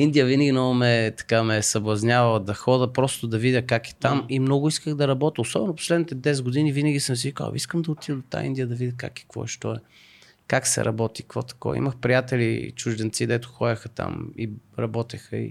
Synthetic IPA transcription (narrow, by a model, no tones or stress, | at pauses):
ind̪ijəvinəɡʲinɔmɛt̪ɐ̥kamɛsɐblˠɐznʲavɐlˠd̪ɐxɔd̪əpɾɔst̪ʊd̪ɐvid̪ʲəkakɛ̥t̪amimnɔɡʊiskəɣd̪ɐɾɐbɔt̪əosɔbɛnʊpo̥slɛd̪nit̪ɛd̪ɛs̬ɡʊd̪inivinəɡʲisəms̬ivikə̰lˠɐ̰iskəmd̪ɐot̪ivəd̪ot̪a̰ḭnd̪iəd̪ɐvid̪ʲəka̰kɛ̥kvɔ̰ɛʃt̪ɔɛ | kaksɛ̰ɾʔɐ̰bɔt̪ikvɔ̰t̪ɐ̥kɔ̰ḭməxpɾʲijat̪ɛlḭt͡ʃʊʒd̪ɛnt̪sid̪ɛt̪ʊ̥xɔjɐxət̪a̰mḭɾɐbɔt̪ɛxəḭ